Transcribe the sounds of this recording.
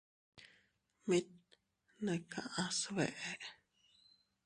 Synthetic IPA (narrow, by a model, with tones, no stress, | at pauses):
mi˦t̪̚ | nẽ˨kʰã˨ʔã˧sβḛ˨ʔe˦